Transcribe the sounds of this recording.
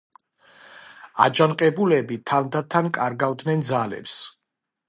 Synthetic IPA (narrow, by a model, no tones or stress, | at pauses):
a̰d͡ʒanqʼɛbulɛbit̪ʰand̪at̪ʰːankʼaɾɡavd̪nɛnd̪zalɛ̰ps